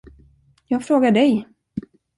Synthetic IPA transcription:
jɑːɡfɾoːɡaɖɛj

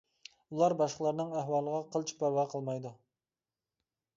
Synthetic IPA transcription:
ulˠɑɾbɑʃqəlˠɑɾnɨŋæhwɑːlˠəʁɑqʰəlˠt͡ʃʰi̥pæɾwæqʰəlˠmɑjd̪u

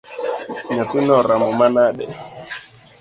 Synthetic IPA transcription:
ɲatinɔɾamɔmanaɗɛ

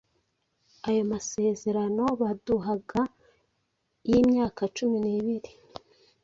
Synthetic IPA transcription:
ajomase̞ːze̞ɾano̞βaduɦaɡa | jiːmɲaːkat͡ʃuminiːβiɾi

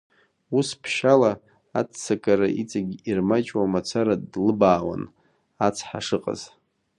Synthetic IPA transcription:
uspʰʃala | att͡sakʼaɾaʔit͡sʼaɡʲirmat͡ʃʼwamat͡sʷʰaɾadlɨbaːwa̰n | at͡sʰħaʂɨqʼa̰z̥

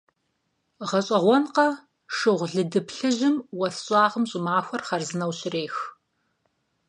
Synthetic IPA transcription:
ʁɐɕʼɐʁʷɔnqɐ | ʂɨʁʷɮɨdɨpɬɨʑɪmwɐɬɕʼɑːʁəmɕʼɪmaːxʷɐrχɐrzɨnɐwɕɪreːx

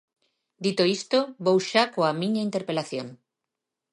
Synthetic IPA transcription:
d̪it̪oist̪oβowʃakoamĩɲaint̪eɾpelaθjoŋ

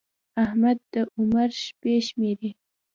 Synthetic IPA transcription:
ahmad̪ːəʔʊmaɾʃpeʃmeɾe

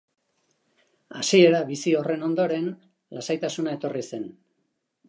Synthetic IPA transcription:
asie̞ɾaβisio̞re̞no̞nd̪o̞ɾe̞n | lasajt̪asunae̞t̪o̞rise̞n

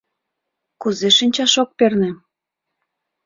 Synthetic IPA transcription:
kuzeʃinʲt͡ɕɑʃok̚pernĕ

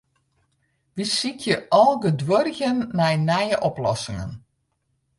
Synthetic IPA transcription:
ʋisikʰjəɔlˠɡədwørɣənːɛjnɛjəʔɔplɔ̰sɪŋə̰n

